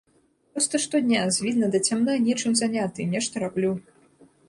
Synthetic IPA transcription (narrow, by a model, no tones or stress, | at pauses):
pɾɔst̪ɐʂt̪ɔd̪ʲnʲazʲvʲid̪̚nɐd̪ɐt͡sʲamnanʲɛt͡ʂɨmzanʲat̪ɨnʲɛʂt̪ɐɾablʲu